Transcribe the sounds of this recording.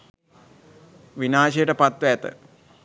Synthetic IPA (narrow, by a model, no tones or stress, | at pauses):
ʋinaːʃejəʈəpat̪ʋəæt̪ə̰